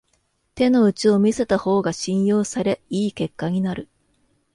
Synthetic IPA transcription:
t̪e̞no̞ɯ̟t͡ɕio̞mʲise̞t̪aho̞ːɡaɕĩɰ̃jo̞ːsaɾe̞iːke̞kːaɲ̟inaɾɯ̟

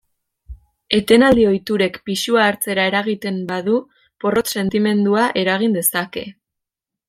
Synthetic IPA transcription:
e̞t̪e̞nald̪io̞jt̪uɾe̞kpiʃuaːɾt͡se̞ɾae̞ɾaɣit̪e̞mbaðu | po̞ro̞t̪se̞nt̪ime̞nd̪uaʔe̞ɾaɣ̞ind̪e̞sake̞

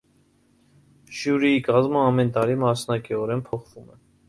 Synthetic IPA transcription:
ʒjuɾiikɑzməɑmɛnt̪ɑɾimɑsnɑkiɔɾɛnpʰɔχvumɛ

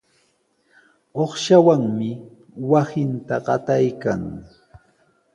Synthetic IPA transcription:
oχʃawaŋmɪ | wasɪnt̪aɢɑt̪ajkaŋ

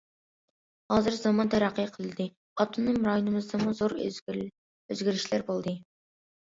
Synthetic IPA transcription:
hɑzɨɾzɑmɑnt̪ʰæɾæqːijqʰəlˠɨd̪ɨ | ɑt̪ʰːunːɨŋɾɑjonɨmɨzd̪ɑmuzoɾ | øzɡʲiɾɪʃlæɾbolˠd̪ɨ

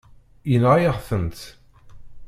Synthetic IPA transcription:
jənʁajəʁθənt̪

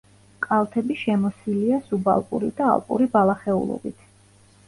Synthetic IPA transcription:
kʼalˠt̪ʰɛbiʃɛmɔsiliasuba̰lˠpʼṵɾid̪a̰ːlˠpʼṵɾibalˠaχɛṵlˠɔ̰bit̪ʰ

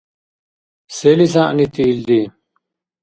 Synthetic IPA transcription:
selisãnit̪iːld̪i

